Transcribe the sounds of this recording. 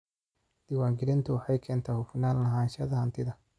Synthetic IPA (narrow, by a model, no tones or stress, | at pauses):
d̪̥ɪwaːŋɡɪɾɪnt̪ʰʊwɑħɑjkʰɛːnt̪ʰaːhʊfɪnaːllɐɦaːnʃɐðɐhɐnt̪ʰɪðɐ